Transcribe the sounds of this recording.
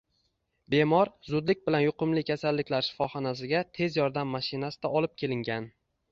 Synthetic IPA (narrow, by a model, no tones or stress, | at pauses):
be̞mɒɾzʊd̪lɪk̚ʲbɪlanjʊqʊmlɪkʲʰasalːɪkʲlaɾʃɪ̥fɒχɒnasɪɡʲat̪ʰe̞zjɒɾd̪amːaʃɪnasɪd̪aʔɒlˠɪp̚kʲʰe̞lɪŋɡʲan